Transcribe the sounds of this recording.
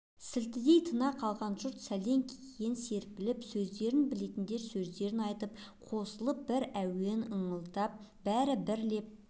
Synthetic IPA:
sɪlt̪ɪd̪e̞jt̪ʰənɑqʰɑlˠʁɑnʒʊɾt̪sæle̞ŋkʲʰekense̞ɾpɪlɪpsɵzd̪e̞ɾɪnbɪle̞t̪ɪnd̪e̞ɾsɵzd̪e̞ɾɪnɑjt̪əpqʰo̞səlˠəp̚bɪɾæwenəɴəlˠd̪ɑp̚bæɾɪbɪɾle̞p̚

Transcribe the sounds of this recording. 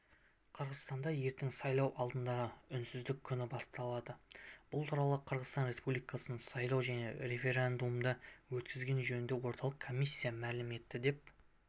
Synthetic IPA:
qʰəɾʁəzt̪ɑnd̪ɑje̞ɾt̪ɪŋsɑjlˠɑwʔɑlˠd̪ənd̪ɑʁəʏnsɪzd̪ɪkʲʰːʏnɪbɑst̪ɑlˠɑd̪əb̥ʊlˠt̪ʰuɾɑlˠəqʰəɾʁəzt̪ɑnɾe̞spublijkɑsənəsɑjlˠɑwʒæne̞̰ɾe̞fe̞ɾend̪umd̪əwɵt̪kʲɪzɡʲe̞nʒɵnɪnd̪e̞wo̞ɾt̪ɑlˠəqkʰːo̞mʲisʲːijamælɪme̞t̪ːɪd̪e̞p̚

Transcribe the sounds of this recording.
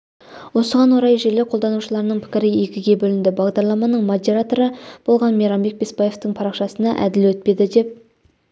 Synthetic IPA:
wo̞səʁɑnwoɾɑjʒeleqʰold̪ɑnuʃəlˠɑɾənəɴpʰɪ̥kʲɪɾɪje̞kʲɪɡʲe̞bɵlɪnd̪ɪbɑʁd̪ɑɾlˠɑmɑnəɴmod̪e̞ɾat̪o̞ɾəb̥o̞lˠʁɑnmeɾɑmbe̞k̚be̞spɑje̞ft̪əɴpʰɑɾɑqʃɑsənɑʔæ̰d̪ɪlwɵt̪̚pe̞d̪ɪd̪e̞p̚

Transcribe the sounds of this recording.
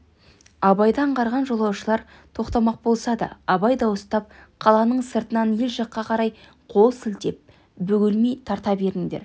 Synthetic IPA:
ɑbɑjd̪ɑɴqɑɾʁɑnʒo̞lˠɑwʃəlˠɑɾ | t̪ʰo̞qt̪ɑmɑq̚bo̞lˠsɑd̪ə̰ɑbɑjd̪ɑwəst̪ɑp̚qʰɑlˠɑnəɴsəɾt̪ənɑnje̞lʒɑqːɑqʰɑɾɑj | qʰo̞lˠsɪlt̪e̞p̚ | bɵɡʲɪlmejt̪ʰɑɾt̪ɑbe̞ɾɪŋd̪eɾ

